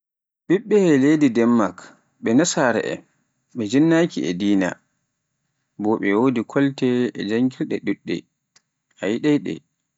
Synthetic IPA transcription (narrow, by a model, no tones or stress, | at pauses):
ɓiɓːɛhɛledidɛmːak | ɓɛnasaɾɛ̰ʔɛ̰ | ɓɛd͡ʒinːakiɛ̰diːna̰ | bɔɓɛwoːdikʰɔltɛɛd͡ʒaŋkilɗɛɗuɗːɛ̰ | ʔajiɗɛɗɛ̰